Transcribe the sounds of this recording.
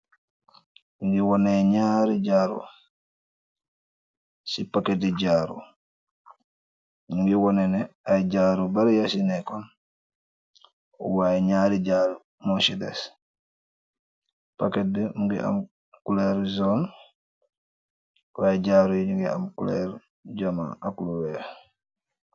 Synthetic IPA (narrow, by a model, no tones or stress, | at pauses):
muŋɡiwɔnɛɲaɾid͡ʒaːɾṵ | sipakɛt̚dɛd͡ʒaːɾṵ | ɲuŋɡɛwɔnɛnɛajd͡ʒaːɾubaɾjasinɛkɔn | ṵwajɲaːɾiɟaːɾ | mɔsidɛ̰s | paket̚dɛmuɡḭʔa̰m | kulɛɾzɔn | wajɟaɾujiɲuŋɡia̰mkṵlɛ̰ɾ | ɟama̰ːakuluwɛɾ